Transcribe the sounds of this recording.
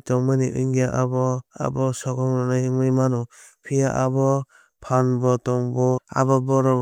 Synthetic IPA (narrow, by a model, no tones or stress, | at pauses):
tɔŋmɯniʔṵjŋɡaʔabɔa̰bɔsɔɡɔŋnɔnajmɯjmanɔpʰijaʔabɔ | pʰanbɔtɔŋbɔa̰bɔbɔɾɔ